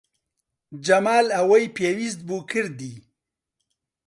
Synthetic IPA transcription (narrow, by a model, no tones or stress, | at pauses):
d͡ʒamaːlawajpjewizd̪̚bukʰiɾd̪i